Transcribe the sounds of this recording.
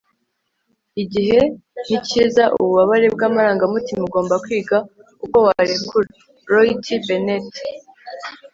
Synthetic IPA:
iɟiɦe̞niciːzaʔuṵβuβaβaɾe̞b̚ɡaːmaɾaːŋɡamutimuɡo̞ːmbakwiːɡa | uko̞waɾekuɾe | ɾoitʰibenet

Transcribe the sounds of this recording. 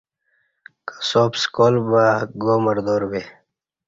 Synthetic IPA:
kḁsoːpskoːlbaɡoːməɾd̪oːɾbeː

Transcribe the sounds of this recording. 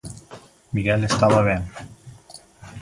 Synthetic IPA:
miɣɛlest̪aβaβe

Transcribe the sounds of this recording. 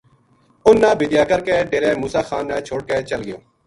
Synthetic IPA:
ʊnːãːbɪd̪ɪjaːkəɾkeːɖeːɾeːmuːsaːxaːnːaːt͡ʃʰoːɽ̚keːt͡ʃəlɡɪjõ̰ː

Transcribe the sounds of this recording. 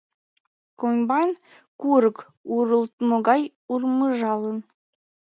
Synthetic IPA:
kombɑn | kuɾək | uɾəlt̪moɣɑj | urməʒɑlən

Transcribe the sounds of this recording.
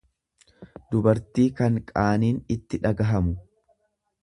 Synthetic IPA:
d̪ʊbɐɾt̪iːkɐŋkʼaːniːnɪt̪ːɪᶑɐɡɐɦɐmʊ

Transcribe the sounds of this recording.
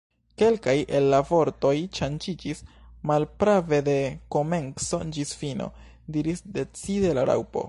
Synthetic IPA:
ke̞lkajʔe̞lːavo̞ɾto̞jt͡ʃand͡ʒid͡ʒismalpɾave̞de̞ko̞me̞nkso̞d͡ʒisfino̞̰ | diɾisde̞t͡side̞laɾa̰wpo̞̰

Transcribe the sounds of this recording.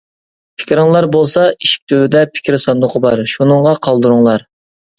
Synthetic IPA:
pʰɪ̥kʲɾɪŋlˠɑɾbolˠsɑiʃi̥k̚ʲt̪ʰøwɪd̪ɛpʰɪ̥kʲʰɾsɑnd̪ʊqʰəbɑɾʃunɨŋʁɑqʰɑlˠd̪ɨɾuŋlˠɑɾ

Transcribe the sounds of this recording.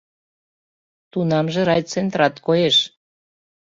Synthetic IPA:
t̪unɑmʒĕɾɑjt͡sent̪ɾɑt̪kojeʃ

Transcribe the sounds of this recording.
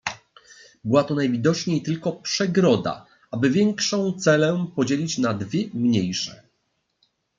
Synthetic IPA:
bɘwat̪ɔnajvʲid̪ɔt͡ʂɲejt̪ɘlkɔpʂɛɡɾɔd̪a̰ | ʔabɘvʲjɛŋkʂɔ̃w̃t̪sɛlɛpɔd͡ʑelʲit͡ɕnad̪vʲjɛmɲejʂɛ̰

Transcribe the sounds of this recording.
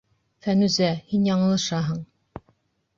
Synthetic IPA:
fænʉzæhinjɑɴɤ̆lˠɤ̆ʃɑɦɤɴ

